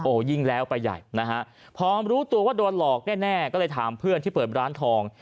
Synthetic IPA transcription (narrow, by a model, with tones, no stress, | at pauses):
ʔoː˧˩ji˥˩ŋlɛː˦˥wpa˧jːa̰˨˩jna˦˥kʰa˦˥ʔ | pʰɔː˧˥mɾuː˦˥t̪u˧ɐwaː˥˩do˧nlɔː˨˩k̚nɛː˥˩nɛː˥˩kɔː˥˩lɤː˧jt̪ʰaː˩˦mpʰɯ˥˩nt̪i˥˩pɤː˨˩t̪̚ɾaː˦˥nt̪ʰɔː˧ŋ